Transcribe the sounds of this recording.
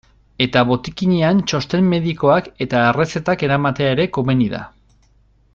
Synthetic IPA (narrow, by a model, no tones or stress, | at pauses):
e̞t̪aβo̞t̪ikiɲeant͡ʃo̞st̪e̞mːe̞ðiko̞ake̞t̪aere̞se̞t̪ake̞ɾamat̪e̞aeɾe̞ko̞me̞niða̰